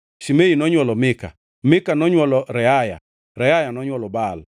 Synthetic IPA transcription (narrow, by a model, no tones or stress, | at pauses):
ʃimeinɔɲwɔlɔmɪka̰ | mɪkanɔɲwɔlɔɾɛaja̰ | ɾɛajanɔɲwɔlɔbal